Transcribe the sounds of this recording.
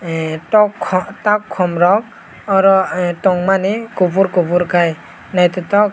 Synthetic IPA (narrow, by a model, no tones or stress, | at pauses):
ɔkʰɔtakʰːɔmɾɔk̚ | aɾɔtɔŋmanekubuɾkubuɾkaj | najt̪ɔt̪ɔk̚